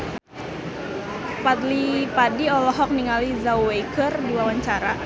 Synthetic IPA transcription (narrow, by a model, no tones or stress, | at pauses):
pat̪lipadiɔlɔɦɔk̚niŋalizawwekərdiwawaɲt͡ʃaɾa